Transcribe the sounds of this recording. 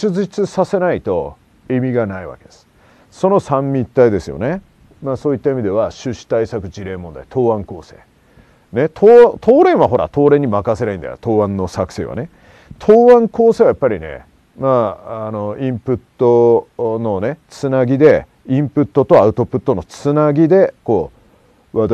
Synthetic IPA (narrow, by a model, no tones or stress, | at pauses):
ɨʑit͡sɨsase̞nait̪o̞ | emʲiɡanaiβa̰ke̞d̪̥e̞̥sɨ̥ | so̞no̞sãmːʲit̪ːaid̪e̞sɨjo̰ne̞ | maːsoːit̪ːaimʲid̪e̞βaɕɨɕi̥t̪aisakɯ̟d͡ʑiɾe̞ːmõ̞nd̪ait̪ʰo̞ːãŋko̞ːse̞̰ː | net̪ʰoːãt̪ʰo̞ːɾẽ̞ɰ̃βaɦo̞ɾa̰t̪o̞ːɾẽ̞ɲ̟ːimakase̞naĩnd̪a̰jot̪o̞ːβãnːo̞sakɯ̟̥se̞̰ːβa̰ne | t̪ʰoːβãŋko̞ːse̞ːβajapːaɾʲine̞̰ | maːano̞ĩmpɯ̟t̪ːo̞no̞ne̞t͡sɨnaɡʲid̪e̞ | ĩmpɯ̟t̪ːo̞t̪o̞aɯ̟t̪o̞pɯ̟t̪ːo̞no̞t͡sɨnaɡʲid̪e̞ko̞ː | βa